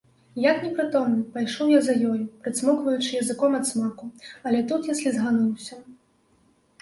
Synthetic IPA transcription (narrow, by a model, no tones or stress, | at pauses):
jaknʲɛpɾɨt̪ɔmnʲɨpajʂɔwjazɐjɔjupɾɨt̪smɔkvɐjut͡ʂɨjɐzɨkɔmɐt̪smakuɐlʲɛt̪ut̪jasʲlʲizɣanuwsʲɐ